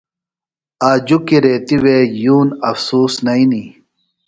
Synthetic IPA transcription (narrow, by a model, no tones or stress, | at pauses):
aːd͡ʑukiɾeːt̪iweːjuːnɐfsuːsnɐini